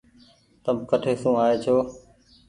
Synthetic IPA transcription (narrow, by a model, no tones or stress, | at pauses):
t̪əmkəʈʰeːsũːaːeːt͡ʃʰoː